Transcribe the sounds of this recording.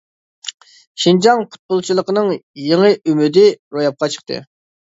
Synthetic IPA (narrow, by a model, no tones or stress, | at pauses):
ʃind͡ʒɑŋpʰʊ̥t̪̚bʊlˠt͡ʃʰilˠəqənɨŋjeŋəʔymyd̪ɪɾojɑp̚qʰɑt͡ʃʰə̥qt̪ʰɨ̰